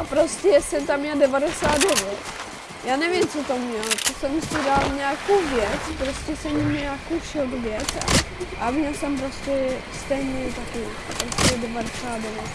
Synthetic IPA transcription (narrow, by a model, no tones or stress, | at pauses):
ʔapɾoscɛjɛsɛmt̪amɲɛldɛvadɛsaːt̪dɛvjɛt̪ | jaːnɛvɪmt͡sot̪omɲɛlt̪osɛmsɪdalɲɛaːkowvjɛt͡spɾoscɛsɛmmɲaakowʃot̪vjɛt͡sa̰ | ʔamɲɛlsɛmpɾoscɛst̪ɛjɲɛt̪akɪ | asɪdɛvadɛsaːt̪dɛvjɛt̪